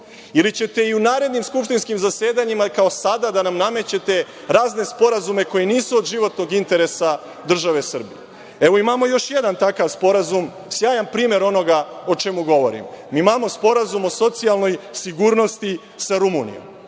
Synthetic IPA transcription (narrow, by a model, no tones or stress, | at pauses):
ilit͡ɕe̞t̪e̞iunaːɾe̞d̪nimskupʃt̪inskimzase̞ːd̪aɲimakao̞sad̪ad̪anamname̞t͡ɕe̞t̪e̞ | ɾaːzne̞spo̞ɾazume̞ko̞jeniːsuod̪ʒiʋo̞t̪no̞ɡint̪e̞ɾe̞sa | d̪r̩ʒaʋe̞sr̩bije | eʋo̞imamo̞jo̞ʃjed̪ant̪akaʋspo̞ɾazum | sjaːjampɾiːme̞ɾo̞no̞ɡao̞t͡ʃemuɡo̞ʋo̞̰ɾḭmmimamo̞spo̞ɾazumo̞so̞t̪sijalˠno̞jsiɡuɾno̞st̪i | saɾumunḭjo̰m